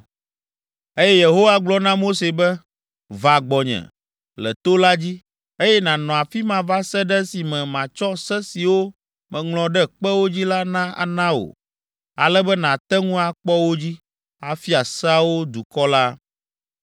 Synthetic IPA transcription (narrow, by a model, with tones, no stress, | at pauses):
e˦jɛ˦je˨ɦo˦wa˦ɡ͡blɔ˦nã˦mo˦se˨bɛ˦ | va˨ɡ͡bɔ˨ɲɛ̰̃˨ | lɛ̰˨t̪o˦la˦d͡ʑi˦ | e˦jɛ˦nã˨nɔ̃˨a˨fi˦mã˨va˦sɛ˦ɖɛ˦si˨mɛ̃˨mã˨t͡ʃɔ˦sɛ˦si˨wo˦ | mɛ̃˨ŋlɔ̃˨ɖɛ˦k͡pɛ˦wo˦d͡ʑi˦la˦nã˦a̰˨nã˦o̰˨ | a̰˨lɛ˦bɛ˦nã˨t̪ɛ˦ŋũ˦a˨k͡pɔ˦wo˦d͡ʑi˦ | a˨fi˦a˨sa˦wo˦d̪u˨kɔ˦la˦